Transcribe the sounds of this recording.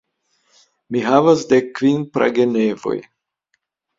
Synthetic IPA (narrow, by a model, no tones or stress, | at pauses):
miɦavasdekːvinpɾa̰ɡenevo̞̰j